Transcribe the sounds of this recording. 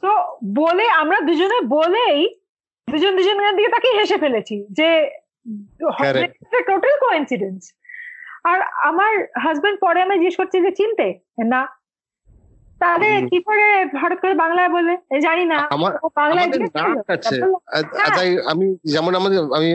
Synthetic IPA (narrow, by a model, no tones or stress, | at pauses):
t̪oboleamɾad̪ud͡ʑonebolej | d̪ud͡ʑond̪ud͡ʑonɡad̪iket̪akejɦeʃefelet͡ɕʰid͡ʑe | hɔeakeʈoʈəlkoinsiɖens | aɾa̰maɾɦʌzbeɳɖ̚pɔɾeamad͡ʑiɡeʃkoɾt͡ɕʰid͡ʑet͡ɕint̪e | na | t̪ad̪eɾkikoɾebʱaʈot̪̚koɾebaŋlaeboleamid͡ʑañinamaobaŋlaed͡ʑiealoaaeoleɦɛ̃ajamid͡ʑɛmonamad̪eami